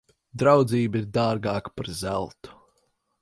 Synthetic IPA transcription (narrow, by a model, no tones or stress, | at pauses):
d̪ɾawd̪ziːbiɾd̪aːɾɡaːkpaɾzælˠt̪u̥